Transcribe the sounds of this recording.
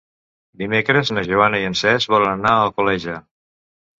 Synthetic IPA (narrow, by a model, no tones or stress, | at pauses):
d̪imekɾəznəʒuanəiənsɛzβɔlənənaəlˠkulɛʒə